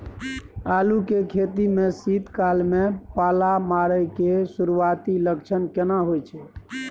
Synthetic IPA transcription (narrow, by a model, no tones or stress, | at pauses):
alukekʰet̪imesit̪kalmepalamaɾəjkesuɾuat̪iləkt͡ʃʰənkenaɦojt͡ʃʰɛ